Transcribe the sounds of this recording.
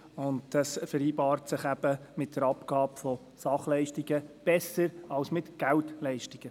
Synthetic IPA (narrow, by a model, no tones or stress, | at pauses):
ʊndd̥ɑsfəɾiːbɑːrtsɪχæb̥əmɪt̚d̥əɾɑpɡ̥ɑːpfɔ | sɑχlɛɪʃtɪɡəb̥ɛsəɾɑwsmɪtɡ̥æltlɛɪʃtɪɡ̥ə